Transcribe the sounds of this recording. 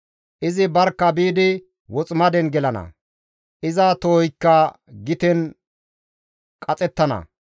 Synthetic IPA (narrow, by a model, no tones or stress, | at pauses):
ʔɪzɪbɐɾkːɐbiːd̪ɪ | wɔt͡sʼmɐd̪ɛnɡɛlɐnɐ̰ | ʔɪzɐt̪oːjkːɐ | ɡɪt̪ɛn | kʼɐt͡sʼɛt̪ːɐnɐ̰